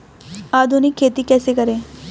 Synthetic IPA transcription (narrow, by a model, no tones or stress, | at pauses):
ad̪ʊniːkʰeːt̪iːkɛːsekəɾeː